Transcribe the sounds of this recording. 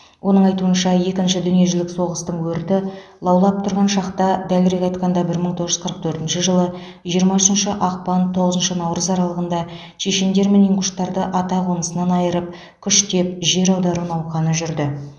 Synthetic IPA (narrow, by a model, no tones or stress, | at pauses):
wʔo̞nəɴɑjt̪uənʃɑje̞kʲɪnʃɪd̪ʏnije̞ʒɪlɪkso̞ʁəst̪əɴwɵɾt̪ɪlˠɑwlˠɑp̚t̪ʰʊɾʁɑnʃɑqt̪ɑd̪ælɪɾe̞kʲɑjt̪qɑnd̪ɑbɪɾməɴt̪ʰo̞ʁəʒʏɪzqʰəɾəqt̪ʰɵɾt̪ɪnʃɪʒəlˠə | ʒijəɾmɑʏʃənʃəʔɑq̚pɑnt̪ʰo̞ʁəzənʃənɑwɾəzɑɾɑlˠəʁənd̪ɑ | ʃe̞ʃe̞nd̪e̞ɾmeneŋkʊʃt̪ːɑɾd̪əʔɑt̪ɑqʰonəsənɑnɑjəɾəp̚ | kʲʰʏʃt̪e̞p̚ʒe̞ɾɑwd̪ɑɾunɑwqɑnəʒʏɾd̪ɪ